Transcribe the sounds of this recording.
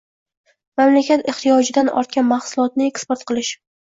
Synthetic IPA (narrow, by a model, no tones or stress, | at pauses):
mamlakʲat̪ɪχt̪ijɒd͡ʒɪd̪anɒ̰ɾt̪̚kʲanmahsʊlˠɒt̪̚nɪekspoɾt̪̚qʰɨlˠɪʃ